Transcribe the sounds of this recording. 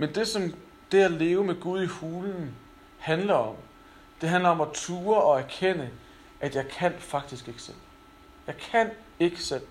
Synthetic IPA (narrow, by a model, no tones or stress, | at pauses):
mend̥e̝sɒ̽m | d̥e̝æle̝ːʊəmeɡ̥uð̞ˠihuːln̩ | hænlɐɒ̽m | d̥e̝ɦænlɐɒ̽mæt͡sʰuːɐɒ̽æɐkʰen̰ə | ʔæd̥jɑ̈ɪkʰæn̰fɑ̈ɡ̥d̥isɡ̥e̝ɡ̥sel̰ | jɑ̈ɪkʰæn̰ | e̝ɡ̥əsel̰